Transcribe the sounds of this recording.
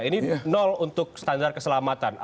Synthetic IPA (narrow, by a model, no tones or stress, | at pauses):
ininɔlunt̪ʊk̚sə̥t̪andar̚kəsəlamat̪anʔ